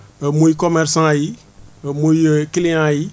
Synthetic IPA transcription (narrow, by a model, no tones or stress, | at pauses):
əmoikɔmɛɾsãji | moikelẽãji